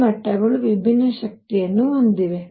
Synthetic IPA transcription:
mɐʈːɐɡɐɭuʋibʱinːɐʃɐk̚t̪ijɐnːuond̪iʋe

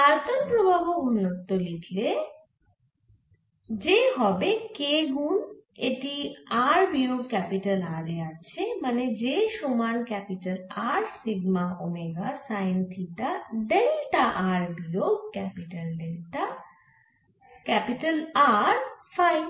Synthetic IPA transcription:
aɾt̪ənpɾobʱabounlok̚t̪olitʰle | d͡ʑeɦɔbekeɡuneʈiaɾbijoɡkɛpiʈəlaɾeat͡ɕʰeməned͡ʑeʃomankɛpiʈəlaɾsiɡmaomeɡasajnt̪ʰit̪aɖelʈaʔaɾbijoɡkɛpiʈəlɖelta | kɛpiʈəlaɾfaj

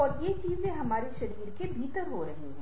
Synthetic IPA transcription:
ɔːɾjet͡ʃiːzẽɦɐmaːɾeʃɐɾiːɾkebʱiːt̪əɾɦoɾɐɦeɦɛ̃ː

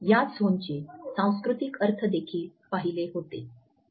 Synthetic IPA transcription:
jasont͡ɕesãw̃skɾut̪ikəɾt̪ʰəd̪ekʰiːlpaɦileɦot̪ḛ

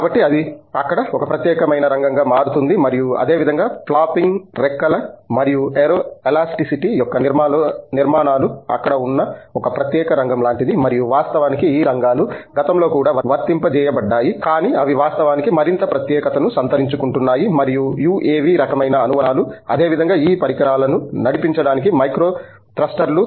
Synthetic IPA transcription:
kaːbɐʈːiɐd̪iɐkːɐɽɐɔkɐpɾɐt̪jɛːkɐmɐjnɐɾɐŋɡɐŋɡɐmaːɽut̪und̪imɐɾijuɐ̰d̪e̞ːʋid̪ʱɐŋɡaːplaːpːiŋɡɾɛkːɐlɐmɐɾijueɾoelaːsʈisiʈijɔkːɐniɾmalniɾmaːnaːluɐ̰kːɐɽɐunːɐɔkɐpɾɐt̪jɛːkɐɾɐŋɡɐmlaːɳʈid̪imɐɾijuʋaːst̪ɐʋaːnikiiːɾɐŋɡaːluɡɐt̪ɐmlo̞ːkuːɽaːʋɐʋɐɾt̪impɐt͡ʃɛːjɐbɐɖːaːjikaːniːɐʋiʋaːst̪ɐʋaːnikimɐɾint̪ɐpɾɐt̪jɛːkɐt̪ɐnusɐnt̪ɐɾiɲt͡ʃukuɳʈunːaːjimɐɾijujuːʔeːʋiɾɐkɐmɐjnɐːnuʋɐnaːluɐ̰d̪e̞ːʋid̪ʱɐŋɡaːiːpɐɾikɐɾaːlɐnunɐɽipiɲt͡ʃɐɽaːnikimɐjkɾo̞ː | ʈɾɐsʈɐɾlu

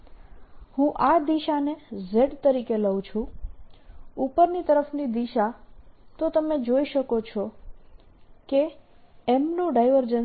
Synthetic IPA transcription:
hũʔad̪iʃanezeɖt̪əɾikeləʋũt͡ʃʰũ | upəɾnit̪əɾəfnid̪iʃat̪ot̪əmed͡ʒoiʃəkot͡ʃʰɔ | keː | mnũɖajʋəɾd͡ʒən

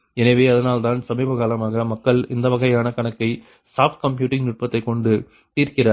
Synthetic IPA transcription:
ɛnɐʋeːɐðɐnaːlt̪aːnsɐmɐɪbɐɣaːlɐmaːɣɐmɐkːɐɭɪ̰nd̪ɐʋɐɣɐjaːnɐkɐɳɐkːɐɪ | saːpkɐmpjuːʈːɪŋnʊʈ̚pɐt̪ːɐɪkːɔɳɖɯ | t̪iːrkɪrɐ

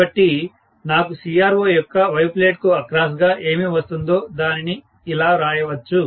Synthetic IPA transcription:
ɐʈːi | naːkusiːaːɾoːjɔkːɐʋɐjpleːʈkuɐkɾaːsɡaːʔe̞ːmiʋɐst̪und̪o̞ːd̪aːniniː | laːɾaːjɐʋɐt͡ʃːu

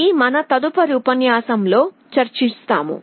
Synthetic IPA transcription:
imɐnɐt̪ɐd̪upɐɾuːpɐnjaːsɐmlo̞ː | t͡ʃɐɾt͡ʃist̪aːmṵ

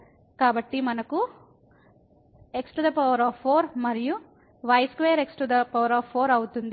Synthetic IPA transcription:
kaːbɐʈːimɐnɐku | e̞ksʈud̪ɐpɐʋɐɾaːpʰːoːɾmɐɾiju | ʋɐjskʋejɐɾeksʈud̪ɐpɐʋɐɾaːpʰːoːɾɐwut̪und̪i

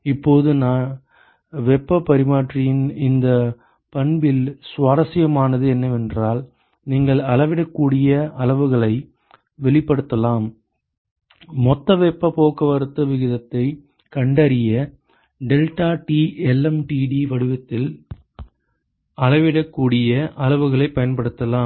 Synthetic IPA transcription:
ɪpːoːðɯnaː | ʋɛpːɐpːɐɾɪmaːʈrɪjɪnɪnd̪ɐ | pɐɳbɪlsʋaːɾɐsɪjɐmaːnɐðɯɛnːɐʋɛndraːl | niːŋɡɐɭɐlɐʋɪɽɐkːuːɽɪjɐɐlɐʋɯɣɐɭɐɪ | ʋɛɭɪpːɐɽɯt̪ːɐlaːm | mɔt̪ːɐʋɛpːɐpoːkɐʋɐɾɯt̪ːɐʋɪɣɪðɐt̪ːɐɪ | kɐɳɖɐɾɪjɐ | ɖɛlʈaːʈiɛlːɛmʈiːɖiʋɐɽɯʋɐt̪ːɪl | ɐɻɐʋɪɽɐkːuːɽɪjɐʔɐlɐʋɯɣɐɭɐɪpːɐjɐnpɐɽɯt̪ːɐlaːm

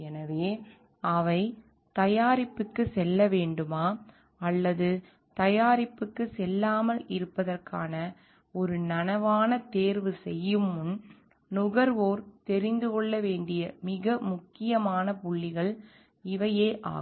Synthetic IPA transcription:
ɛnɐʋeː | ɐʋɐɪ | t̪ɐjaːɾɪpːɯkːɯsɛlːɐʋeːɳɖɯmaː | ɐlːɐðɯ | t̪ɐjaːɾɪpːɯkːɯsɛlːaːmɐlɪɾɯpːɐðɐrkaːnɐ | ɔɾɯnɐnɐʋaːnɐt̪eːɾʋɯsɛjːɯmʊn | nʊɣɐɾʋoːɾt̪ɛɾɪnd̪ɯkɔɭːɐʋeːɳɖɪjɐmɪɣɐmʊkːɪjɐmaːnɐpʊɭːɪɣɐɭ | ɪʋɐjeːʔa̰ː

